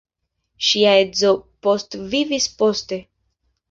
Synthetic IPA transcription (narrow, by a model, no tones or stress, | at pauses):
ʃiaezo̞po̞stvivispo̞ste̞